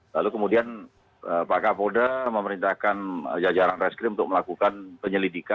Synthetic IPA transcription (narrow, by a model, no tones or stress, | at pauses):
lalukəmudian | ʔəpakapodaməməɾint̪ahkanəd͡ʒad͡ʒaɾanrɛskɾiunt̪ʊk̚məlakukanpəɲəlidika